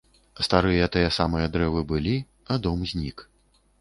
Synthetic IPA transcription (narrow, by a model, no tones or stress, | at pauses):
st̪aɾɨjɐt̪ɨjɐsamɨjɐd̪ɾɛvɨbɨlʲi | ad̪ɔmzʲnʲik